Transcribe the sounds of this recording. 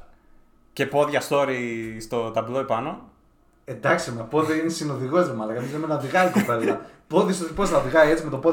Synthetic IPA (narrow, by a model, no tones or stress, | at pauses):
ce̞po̞ðʝɐst̪o̞ɾist̪o̞t̪ɐbloepɐno | end̪ɐksimɐpoðeinesinoðiɣozemɐlɐkɐmizemenɐðiɣɐiko̞pe̞lɐpoðiɐst̪oðiposθɐðiɣɐiet͡simet̪o̞po